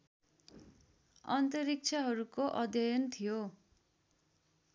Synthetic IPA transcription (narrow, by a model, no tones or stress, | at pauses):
ʌ̰nt̪ʌrik̚t͡sʰʌɦʌɾukoʔʌd̪jʌjʌnt̪ʰijo